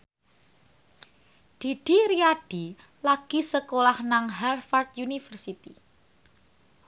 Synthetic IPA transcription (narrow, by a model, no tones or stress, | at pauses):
d̪̥i̤ɖ̥i̤ɾiaɖ̥i | laɡ̥isəkolahnaŋɦɛrfart̪̚junifərsit̪i